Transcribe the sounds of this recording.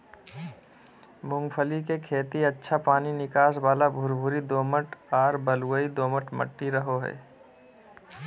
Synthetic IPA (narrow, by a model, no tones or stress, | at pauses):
mʊ̃ŋɡpʰəlikekʰeːt̪iətːʃʰapaːninɪkaːsbaːlabʱʊɾbʱʊɾid̪oːməʈaːɾbəluəid̪oːməʈmə̰ʈːiɾəɦoɦɛ̰ː